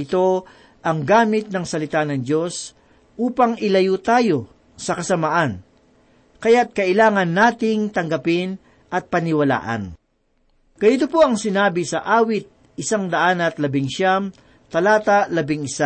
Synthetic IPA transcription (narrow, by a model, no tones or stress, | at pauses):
ɪt̪o̞ | ʔɐŋɡaːmɪt̪̚nɐŋsɐlɪt̪anɐŋd͡ʒo̞s | ʔuːpɐŋɪlɐjut̪aːjo̞ | sɐkɐsɐmaʔan | kɐjat̪̚kɐʔɪlaːŋɐnːaːt̪ɪŋt̪ɐŋɡɐpɪn | ʔɐt̪̚pɐnɪwɐla̰ːʔɐ̰n | kɐjɪt̪opoɐŋsɪnaːbɪsɐʔaːwɪt̪̚ | ɪsaŋd̪ɐʔanɐt̪lɐbɪŋʃam | t̪ɐlaːt̪alɐbɪŋɪsa